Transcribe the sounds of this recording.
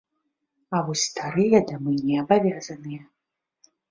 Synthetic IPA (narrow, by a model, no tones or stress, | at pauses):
awɔsʲt̪ʰaɾɨjɐd̪amɨnʲiabavʲazɐnɨjɛ